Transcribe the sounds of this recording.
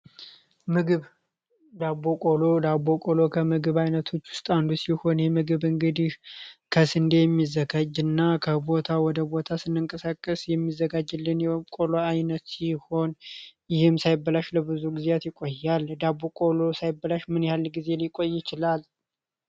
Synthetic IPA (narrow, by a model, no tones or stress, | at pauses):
mɨɡɨβ | d̪abːokʼolo̞d̪abːo̞kʼolokʰəmɨɡɨβajnət̪ʰo̞t͡ʃːwʊst̪ʼand̪usiho̞njɛmɨɡɨβɨŋɡɨd̪ihkʰəsɨnd̪ejɛmːizːəɡad͡ʒɨnːakʰəbo̞t̪ʰawɔd̪əbo̞t̪ʰasɨnːɨŋkʼəsakʼːəsjɛmːizːəɡad͡ʒɨlːɨnjɛkʼoloajnət̪siho̞njɪhɨmsajɪbːəlaʃləbɨzuɡizeat̪jɪkʼojːald̪abːokʼo̞lo̞sajɪbːəlaʃmɨnjalːɡize̞likʼojːɪt͡ʃɪlal